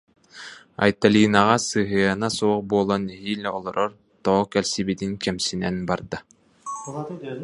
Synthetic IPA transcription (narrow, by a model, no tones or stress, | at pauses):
a̰jt̪alʲiːnaʁasɯɦɯanasuqbuːlˠɔnɦiːlʲɛɔlˠɔɾʔɔɾ | t̪ɔɔkɛlʲsibit̪iŋkɛmsinɛnbaɾd̪a